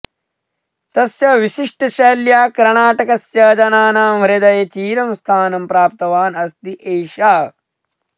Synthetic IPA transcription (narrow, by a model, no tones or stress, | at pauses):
t̪ɐsjɐʋiʃiʂʈɐʃɐːljaːkɐɾɳaːʈɐkɐsjɐːd͡ʒɐnaːnaːmʋɐɾed̪ɐjɐt͡ʃiːɾɐmst̪ʰaːnɐmpɾaːp̚t̪ɐʋaːnɐst̪iʔeːʃaː